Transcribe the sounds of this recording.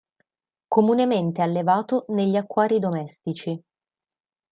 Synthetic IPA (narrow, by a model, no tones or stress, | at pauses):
komunement̪ealːevaːt̪oneʎːiakːwaːɾid̪omɛst̪it͡ʃi